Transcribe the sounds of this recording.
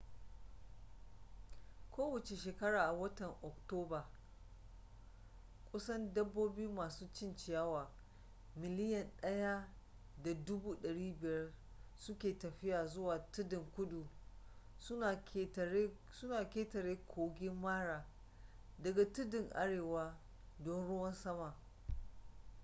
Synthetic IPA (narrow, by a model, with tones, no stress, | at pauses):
kʰʷoː˦wɐ˨t͡ʃe˨ʃeː˨kɐ˦ɽaː˨ʔa˨wɐ˦tɐ˨ŋʔɔ˨k̚toː˦baː˨ | kʷʼʊ˦sɐ˦ndɐ˦bːoː˦buː˦maː˨suː˦t͡ʃɪ˦nt͡ʃɪ˨ja˦waː˨ | mɪ˨lɪ˦jɐ˨nɗɐ˦ja˦ | da˨dʊ˦buː˦ɗɐ˨ɽiː˦bɪ˨jɐ˦r | sʊ˦kʲeː˨tɐ˨ɸɪ˦jaː˨zʊ˦waː˨tʊ˦dɪ˨ŋkʷʊ˦ɗu˨ | sʊ˦na˨˦˨e˦ | sʊ˦naː˨kʲeː˦tɐ˨ɾeː˦kʷʰoː˨ɡʲɪ˦mːaː˦ɽaː˨ | dɐ˨ɡa˨tʊ˦dɪ˨ŋʔa̰˦ɽeː˨waː˦ | dɔ˦nɽʊ˦wɐ˦nsɐ˦ma˨ʔ